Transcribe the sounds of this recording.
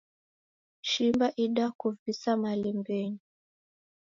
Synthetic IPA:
ʃimbaʔiɗakuvisamalɛmbɛɲi

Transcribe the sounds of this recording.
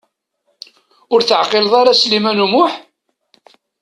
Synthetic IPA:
ʊɾθəʕqɪlðˤɑɾaslimænumʊħ

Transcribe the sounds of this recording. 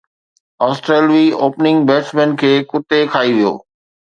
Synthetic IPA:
ɔːsʈɾeːlʋioːpnɪ̃ŋɡbeːsmẽːnkʰeːkʊt̪ekʰaːiʋijo̰ː

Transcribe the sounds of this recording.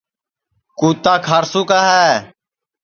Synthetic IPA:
kuːt̪aːkʰaːɾsuːkaːɦɛː

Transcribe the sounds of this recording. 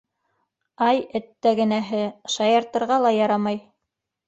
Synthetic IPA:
ɑjɘ̆t̪ːæɡɘ̆næɦɘʃɑjɑɾt̪ɤ̆ɾʁɑlˠɑjɑɾɑmɑj

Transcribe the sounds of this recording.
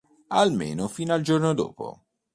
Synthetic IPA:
ɐlmḛːnofiːnɐld͡ʒɔɾnod̪o̰ːpo̰

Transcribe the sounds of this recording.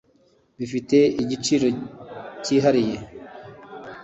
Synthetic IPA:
bifite̞iɟit͡ʃiɾo̞ciːɦaɾije̞

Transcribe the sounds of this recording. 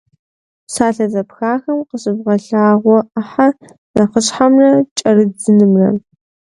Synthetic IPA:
saːɬɐzɐpxaːxɐmqəɕʼɪbʁɐɬaːʁʷɔʔaħa | nɐqəɕħamrɐt͡ʃʼɐrɨd͡zɨnɨmrɐ̰

